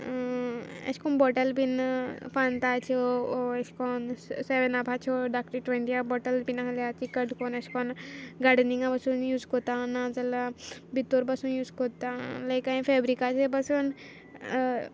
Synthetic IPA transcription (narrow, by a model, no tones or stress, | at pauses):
ɐ̰ʃkonbɔʈɐlbinpant̪at͡ʃʰoɐskoːnseʋenabʱat͡ʃʰoɖak̚ʈəɾʈweɳʈijabɔʈɐlbinaɦɐlat͡ʃʰikɐɖʱkoːnɐskoːnɡaɖniŋɡãbɐsunjuːzkot̪anad͡zɐlabit̪ːoɾbɐsunjuːskot̪alɐjkaĩfeːbɾikat͡ʃʰebɐsun